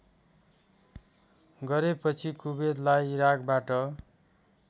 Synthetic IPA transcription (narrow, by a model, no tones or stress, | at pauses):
ɡʌɾepʌt͡sʰikubed̪lajiɾakbaʈʌ